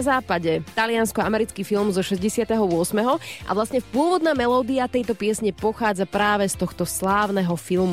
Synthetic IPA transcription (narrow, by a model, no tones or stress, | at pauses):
zaːpaɟɛt̪alɪanskɔamɛɾit͡skiːfilˠmzɔʃɛzɟɛsɪat̪ɛɦɔʊɔsmɛɦɔʔa̰ʋlasɲɛpʊɔʋɔd̪naːmɛlɔːd̪iat̪ɛjt̪ɔpɪɛsɲɛpɔxaːd͡zapɾaːʋɛst̪ɔxt̪ɔslaːʊnɛɦɔfilm